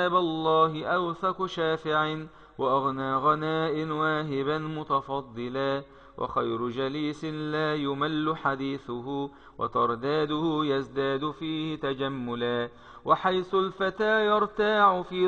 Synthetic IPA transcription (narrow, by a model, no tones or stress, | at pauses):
aːbalˤːɑːɦɪʔawθaqʃaːfɪʕɪ | wɑʔaɣnaːɣanaːʔɪnwaːɦɪbanmʊt̪ɑfɑd̪ˤːɨlaː | wʔɑ̰xajɾʊd͡ʒaliːsɪnlaːjʊmalːʊħad̪iːθʊhʊ | wɑ̰t̪ɑɾˤd̪aːd̪ʊhʊjasd̪aːd̪ʊfiːhɪt̪ad͡ʒamːʊlaː | waħajθʊlfat̪aːjɑɾˤt̪aːʕʊfiː